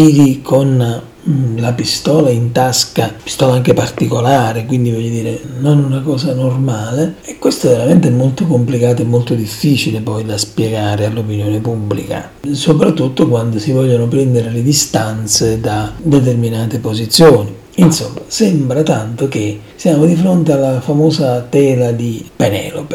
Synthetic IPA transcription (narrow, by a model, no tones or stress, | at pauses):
iːɾikʰon | lapist̪ɔːlaint̪askapi̥st̪ɔːlaaŋk̟epart̪ikolaːɾekwind̪ivɔʎːod̪iːɾenonunakɔːsanormaːleekwest̪oveɾament̪eɛmːolt̪okomplikaːt̪oemːolt̪od̪ifːiːt͡ʃilepɔjd̪aspjɛɡaːɾealːopinjoːnepubːlḭka̰ | sopɾat̪ːut̪ːokwand̪osivɔʎːonopɾɛnd̪eɾeled̪ist̪ant̪sed̪ad̪ɛt̪̬erminaːt̪epozit̪sːjoːni | insomːasɛmbɾat̪ant̪ok̟e | siaːmod̪ifɾont̪ealːafamɔːsat̪ɛːlad̪ipenɛ̰ːlo̰pe